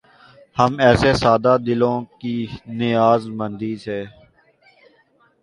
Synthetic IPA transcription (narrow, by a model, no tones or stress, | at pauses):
həmɛːsesaːd̪ad̪ɪlõːkinɪjaːzmə̃nd̪iːseː